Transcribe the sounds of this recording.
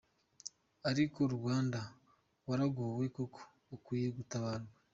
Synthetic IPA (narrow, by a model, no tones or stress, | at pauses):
aɾikoɾuwaːnda | waɾaɡowekokʰo̥ːkwiːjeɡutaβaɾɡa